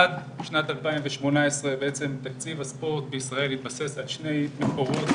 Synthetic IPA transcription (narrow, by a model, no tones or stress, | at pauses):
ad̪bʃnat̪alpaimveʃmo̞naesʁebeʔet͡se̞mt̪akt͡sivaspo̞ʁt̪̚beisʁae̞lit̪base̞salʃne̞jmeko̞ʁo̞t̪